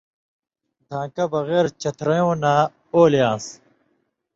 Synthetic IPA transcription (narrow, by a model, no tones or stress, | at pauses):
d̪ʱãːkɐbɐɣeːɾt͡ɕɐt̪ʰɾɐjõːnaː | oːljãːs